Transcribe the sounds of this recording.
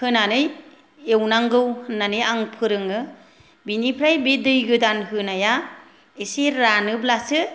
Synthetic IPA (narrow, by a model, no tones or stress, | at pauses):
hɯnanɯj | ewnaŋɡɯwhɯnːanɯjaŋpʰɯɾɯŋɯ | binipʰɾajbedɯjɡɯdanhɯnaja | eseɾanɯblasɯ